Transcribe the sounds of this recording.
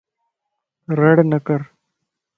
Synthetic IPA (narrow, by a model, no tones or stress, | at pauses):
ɾɐɽnɐkɐɾ